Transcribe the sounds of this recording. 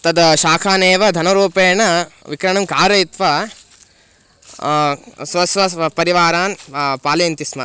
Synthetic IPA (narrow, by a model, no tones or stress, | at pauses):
t̪ɐd̪ɐʃaːkʰaːneːʋɐd̪ʱɐnɐɾuːpeːɳɐʋikɾɐɳɐmkaːɾɐit̪ʋɐ | sʋɐsʋɐpɐɾiʋaːɾaːnpaːlɐjɐnt̪ismɐ̰